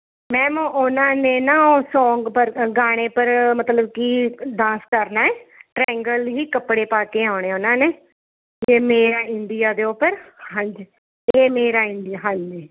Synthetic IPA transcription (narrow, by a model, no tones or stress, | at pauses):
mɛ̃ːmõːʔʊnãːneːnaːoːsɔ̃ːŋɡpəɾɡaːɽ̃eːpəɾmət̪ləbkiːɖãːskəɾnaːɛːʈɾɛːŋɡəlɦiːkəpːɽeːpaːkeːaːɳ̃ẽːʊnãːneː | eːmeːɾaːɪɳɖɪjaːd̪eːʊpːəɾhə̃ɲd͡ʒ | eːmeːɾaːɪɳɖɪaɦãɲeː